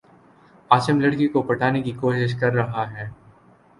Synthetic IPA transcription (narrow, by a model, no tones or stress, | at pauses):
aːt͡ʃəmlɐɽkikopɐʈʰaːnekikoːʃɪʃ̬kɐɾːɐɦaɦɛː